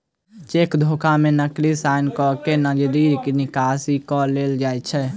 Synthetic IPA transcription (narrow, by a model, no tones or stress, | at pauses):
t͡ʃeːkd̪ʱoːkamẽnəklisaːɪnkɔkenəd͡ʒd̪iːɾkinɪkaːsikɔleːld͡ʒaːjt͡ʃʰɛ